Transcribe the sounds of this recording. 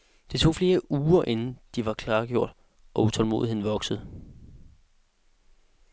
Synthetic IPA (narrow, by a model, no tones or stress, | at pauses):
d̥et͡sʰo̝̰ːfle̝ːɐʔuːɐʔe̝nn̩d̥iʋɑ̈kʰlɑ̈ːɡ̥jo̝ɐ̰d̥ | ʔɒ̽ut͡sʰɒ̽lmo̝ːðˠie̝̰n̩ʋɒ̽ɡ̥səð̩ˠ